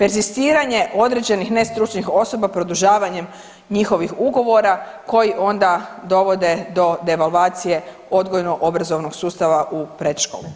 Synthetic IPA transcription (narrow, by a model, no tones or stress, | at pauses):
pe̞ɾzist̪iːɾaɲe̞ʔo̞d̪ɾed͡ʑe̞nixne̞st̪ɾut͡ʃnixo̞so̞bapɾo̞d̪uʒaːʋaɲe̞m | ɲixo̞ʋixuɡo̞ʋo̞ɾako̞jiʔo̞nd̪ad̪o̞ʋo̞d̪e̞d̪o̞d̪e̞ʋalʋaːt̪sije̞ | o̞d̪ɡo̞jnoʔo̞bɾazo̞ʋno̞ɡ̥suːst̪aʋaʔupɾed̪ʃko̰lu